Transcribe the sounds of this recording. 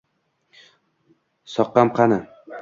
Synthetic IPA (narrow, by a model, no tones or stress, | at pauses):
sɒqːɑmqʰɑnɪ